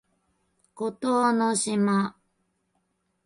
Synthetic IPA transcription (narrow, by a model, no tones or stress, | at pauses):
kot̪oːnoɕima